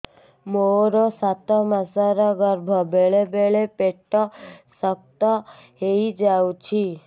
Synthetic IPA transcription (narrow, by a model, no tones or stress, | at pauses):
moɾosat̪ɔmasaɾɔɡəɾbʱɔbeɭebeɭepeʈːɔsək̚t̪ɔ | ɦeid͡ʒaut͡ʃʰi